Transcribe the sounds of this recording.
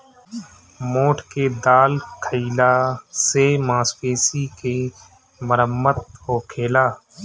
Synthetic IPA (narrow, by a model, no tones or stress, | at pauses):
moːʈʰked̪aːlkʰəilasemãːspeːsike | məɾəmːət̪̚ɦoːkʰeːlaː